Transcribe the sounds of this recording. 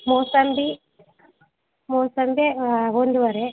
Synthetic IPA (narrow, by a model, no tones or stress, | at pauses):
mosɐmbi | moːsɐmbeond̪uʋɐɾe